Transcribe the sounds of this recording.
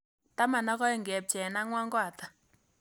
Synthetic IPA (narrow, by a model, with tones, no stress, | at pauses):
ta˦ma˨na˦kɔ˦ɛ˦ŋɡɛ˨p̚t͡ʃɛ˨na˦ŋwa˦ŋɡwa˨t̪ḁ˨